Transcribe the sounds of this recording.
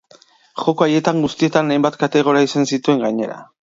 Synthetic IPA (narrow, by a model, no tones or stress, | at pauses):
xo̞koaje̞t̪aŋɡust̪ie̞t̪anajmbat̪kat̪e̞ɣ̞o̞ɾiaisansit̪ue̞ŋɡaɲe̞ɾa̰